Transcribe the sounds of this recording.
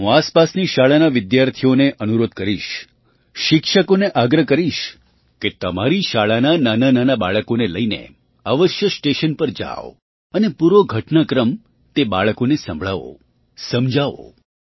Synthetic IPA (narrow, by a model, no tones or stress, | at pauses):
ɦũaspasniʃaɭanaʋɪd̪jaɾt̪ʰijoneʔənuɾod̪̚kəɾiʃ | ʃɪkʃəkoneʔaɡɾəkəɾiʃ | ket̪əmaɾiʃaɭanananananabaɭəkoneləinḛ | aʋəʃjəsʈeʃənpəɾd͡ʒa̰o | ənepuɾoɡʱəʈnakɾəm | t̪eba̰ɭkonesə̰̃mbʱɭaʋo̰ | səmd͡ʒʱaʋo̰